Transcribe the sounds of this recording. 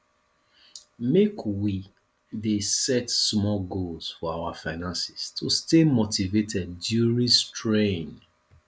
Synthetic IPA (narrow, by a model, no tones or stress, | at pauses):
mekwi | desɛtsmɔlɡolsfɔawafaɪnãnsɪ̥stʰustemotivetʰɛd̚ːjuɹĩstɹẽn